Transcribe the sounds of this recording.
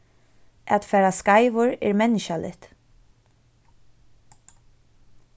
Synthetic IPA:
ʔɛt̪fɛːɾaskaɪʋʊɹɪːɹmɛnɪʃalʔɪ̰t̪

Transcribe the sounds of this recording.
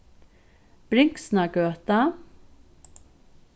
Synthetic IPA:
b̥ɾɪŋksnaɡ̥øːt̪a

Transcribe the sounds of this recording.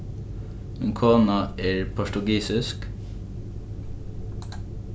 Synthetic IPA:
ɛŋkʰoːnɑʔeːɹpʰʊʃʈʉɡiːsɪsk

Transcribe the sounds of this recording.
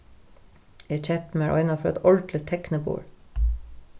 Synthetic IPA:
eːt͡ʃʰɛt̪m̩æːɹʔɔʏnɑfɔɛ̰t̪ɔlʈlɪt̪ʰɛknəbṵːɹ

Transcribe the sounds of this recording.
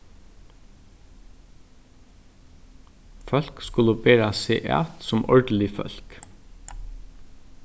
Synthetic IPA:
fœlkskʉləbeːɾɑsḛːʔæ̰t̪sɔmʔɔɹɖl̩ɪfœ̰lk

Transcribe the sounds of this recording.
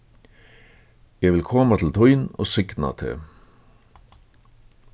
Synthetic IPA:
jæʋɪlkʰɔːmat̪ʰɪl̩t̪ʰɔʏno̰ːsʏɡna̰t̪ʰḛː

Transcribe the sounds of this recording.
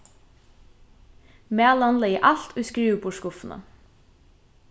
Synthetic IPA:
meːlɑnləiːʔɑlt̪ʰuːskɹiːʋbʊʃkʊfn̩ʔə̰

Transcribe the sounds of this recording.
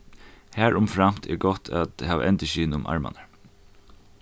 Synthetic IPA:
hæːɹʊmfɾam̥t̪ʰɛ̰ɹɡɔht̪ʰæt̪hæːʋ̰ʔɛnt̪ɪʃiːnʊmʔɑ̰ɹma̰nəɹ

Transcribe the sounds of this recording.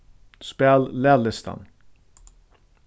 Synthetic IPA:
spɛllɛːlɪst̪a̰n

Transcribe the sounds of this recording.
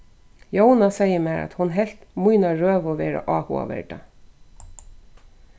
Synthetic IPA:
jownasejəmɛːɾa̰t̪hʊnɦɛl̥t̪mujnaɹøːʋɔʋɛːɾa̰ʔɑːhṵːa̰ʋɛ̰ɹɖa

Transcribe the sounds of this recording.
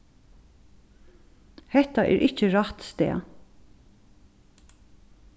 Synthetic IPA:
hɛht̪aʔɛ̰ːɾʔɪt͡ʃəɹat̪st̪ḛː

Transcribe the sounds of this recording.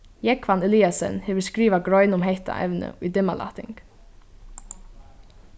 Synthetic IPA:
jɛkʰʋanɛliasə̰nheːʋəskɹiːʋaɡɹɔʏnʊmɦɛht̪a̰ʔɛ̰ʋnə̰id̪ɪmala̰t̪ɪ̰ŋk

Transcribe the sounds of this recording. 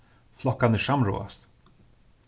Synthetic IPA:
flɔkːanəʂamɾo̰ːa̰st̪

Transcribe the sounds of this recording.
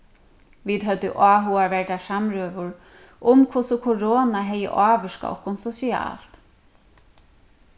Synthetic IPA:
ʋiːd̪ɦœt̪ːɪ̰ʔaːɦuaɹʋɛɹt̪asamɾøːʋʊɹ | ʔʊmkʰʊsʊkʰʊɾoːnaɦɛjːə̰ʔaːʋʏʂka̰ɔ̰hkːʊnsɔsia̰ːl̥t̪

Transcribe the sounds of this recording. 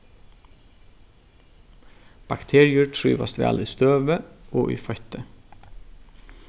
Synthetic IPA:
b̥ɑkt̪ʰeːɹɪʉʈʰɹyːʋɑst̪ʋæ̰ːliːst̪øːʋəʔoːʔḭːfœçt̪ə

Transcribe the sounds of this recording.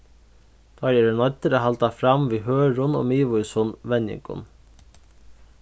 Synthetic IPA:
d̪̥ɑjɛɾənɔt̪əɾəɦɑlt̪ɑfɾɑmʋiːɦøːɹʊno̰ːmiːʋʊjsʊnʋɛnjɪ̰ŋkʊ̰n

